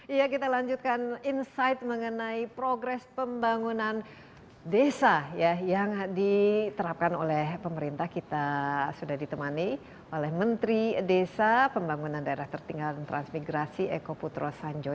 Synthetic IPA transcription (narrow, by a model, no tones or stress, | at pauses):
ijakit̪alaɲd͡ʒut̪̚kaninsajt̪̚məŋənaipɾoɡɾɛspəmbaŋunan | desajajaŋdit̪əɾap̚kano̰lɛhpəməɾint̪ahkit̪asudahdit̪əmani | olɛhmənt̪ɾidesapəmbaŋunandaeɾaht̪ərt̪iŋɡaldant̪ɾa̰nsmiɡɾasiekoput̪ɾosaɲd͡ʒo